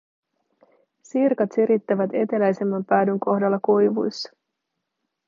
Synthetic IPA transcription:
sirkɑt̪siɾit̪ːæʋæt̪e̞t̪e̞læjse̞mːɑmpæːdyŋko̞hdɑlːɑkujʋṵjsːɑ̥

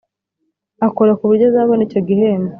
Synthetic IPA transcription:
akoɾakuβuɾɟozaːβonico̞ɡihe̞ːnda

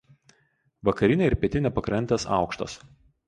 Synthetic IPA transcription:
ʋɐkɐɾʲɪnʲɛɪɾpʲɛt̪ʲɪnʲɛpɐkɾɐnʲt̪ʲɛsɑ̰ˑʊkʃt̪ɐ̰s

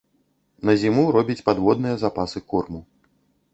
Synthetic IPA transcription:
nɐzʲimuɾɔbʲit͡sʲpad̪vɔd̪̚nɨjɐzapasɨkurmu

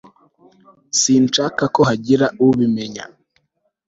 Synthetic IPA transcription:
siːnt͡ʃaːkakohaɟiɾauβime̞ɲa̰

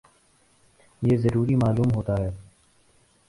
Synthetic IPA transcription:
jeːzəɾuːɾimaːluːmɦoːt̪aɦɛː

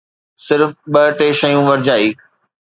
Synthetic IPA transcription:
sɪɾfɓɐʈeːʃɐjũʋɐɾd͡ʑaːiː

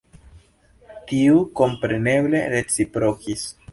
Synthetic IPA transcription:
tiuko̞mpɾe̞ne̞ble̞ɾe̞t͡sipɾokis

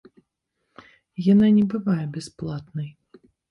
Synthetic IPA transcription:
jananʲɛbɨvajɛbʲɛsplˠat̪nɐj

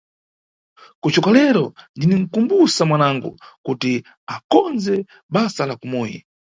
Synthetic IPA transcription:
kut͡ʃɔkalɛɾɔndinɛŋ̩kumbusamwanaŋɡṵkuti | akɔnzɛ | ɓasalakumɔːjḭ

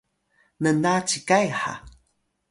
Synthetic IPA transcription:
nənat͡sikajħa̰

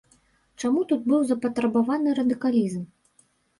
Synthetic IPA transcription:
t͡ʂamut̪ud̪̚bɨwzɐpɐt̪ɾɐbavanɨɾɐd̪ɨkalʲizm

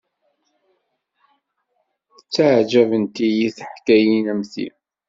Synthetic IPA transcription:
ət͡sːaʕd͡ʒævənt̪ijiθəħkæjinæmθḭ

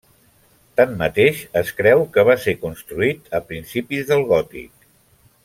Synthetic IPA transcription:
t̪amːət̪eʃəskɾɛwkəβ̞asekunst̪ɾuit̪əpɾinsipizðəlˠɣɔt̪ḭk̚

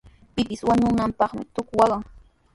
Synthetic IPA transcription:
pɪpɪswaɲʊnampɑχmɪ̰t̪ʊkwɑɢɑŋ

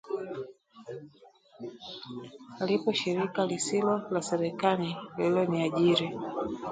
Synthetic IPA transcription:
alipɔʃiɾikalisilɔlasɛɾɛkalililɔniaʄiɾi

